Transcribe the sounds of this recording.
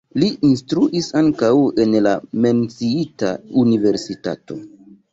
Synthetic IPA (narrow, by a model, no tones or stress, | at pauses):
liʔinstɾuʔisaŋkawe̞nlame̞nt͡siita̰unive̞ɾsita̰to̞̰